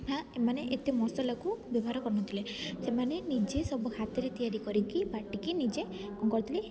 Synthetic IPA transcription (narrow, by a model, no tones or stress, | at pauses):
ãemaneʔet̪emɔsɔlakubibʱɔɦaɾɔkɔɾɔnɔnt̪ʰilesemanenid͡ʒesɔbɔkʰat̪ɔɾet̪ijaɾikɔɾikibaʈikinid͡ʒe | kɔŋkɔɾt̪ʰili